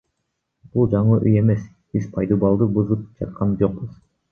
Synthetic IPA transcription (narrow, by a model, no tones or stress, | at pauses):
b̥ulˠd͡ʒɑɴɯʔyje̞me̞s | bizpʰɑjd̪ubɑlˠd̪ɯbuzɯp̚d͡ʒɑt̪̚qʰɑnd͡ʒo̞q̚buz̥